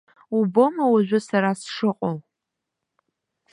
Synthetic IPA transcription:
ubomɐwaʒᶣʷʊsaɾasʂɨqʼɔw

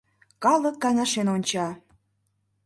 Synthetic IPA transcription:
kɑlˠə̆kːɑjnɑʃenonʲt͡ɕɑ

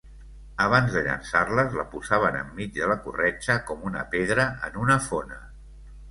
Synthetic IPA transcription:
əβ̞anzðəʎə̰nsarləzləpuzaβ̞ənə̰mːid͡ʒðələkurɛt͡ʃəkɔmunə̰peðɾəənunəfonə

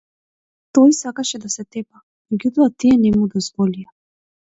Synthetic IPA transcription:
t̪ɔjsakaʃɛd̪asɛt̪ɛpa | mɛɡjut̪ɔat̪iɛnɛmud̪ɔzvɔlija

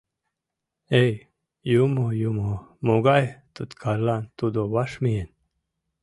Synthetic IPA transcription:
ej | jumojumomuɡajt̪ut̪kʰalant̪ud̪owaʂmijen

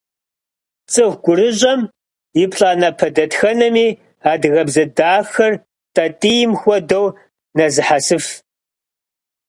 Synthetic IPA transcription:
t͡sʼɨxʷɡʷʊɾɨʑʼɐm | jɪpʰɬʼaːnɐpʰɐdɐtxɐnɐmiː | aːdɣɐbzɐdaːxɐr | tʼɐtʼijɪmxʷɔdow | nɐzɨħasɨf

